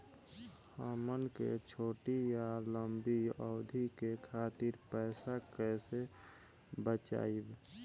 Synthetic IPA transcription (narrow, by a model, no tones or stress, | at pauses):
həmənkḛt͡ʃʰoːʈijaləmbiəːd̪ʱikekʰaːt̪iɾpɛɪsakɛːse | bət͡ʃa̰ːib